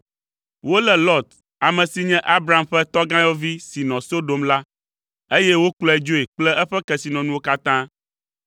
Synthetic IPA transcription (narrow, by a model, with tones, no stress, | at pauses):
wo˦lɛ˨lɔ˦t̪ | a˨mɛ̃˨si˦ɲɛ̃˦ʔa˦bɾa˨a˨mɸɛ˦t̪ɔ˦ɡã˦jɔ˦vi˦si˨nɔ̃˨so˦ɖo˨mla˦ | e˦jɛ˦wo˦klɔ˦ɛ˨d͡ʒo˦e˨k͡plɛ˦ʔɛ˦ɸɛ˦kɛ˨si˨nɔ̃˨nũ˦wo˦ka˦t̪ã˦